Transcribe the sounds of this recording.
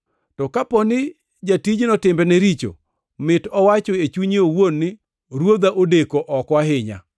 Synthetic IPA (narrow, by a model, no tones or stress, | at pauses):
tɔkapɔnɪ | d͡ʒatid͡ʒnɔtɪmbɛnɛɾit͡ʃo̰ | mɪtɔwat͡ʃɔet͡ʃuɲiowonːɪ | ɾwod̪aʔodekoʔɔkwaɦɪɲa̰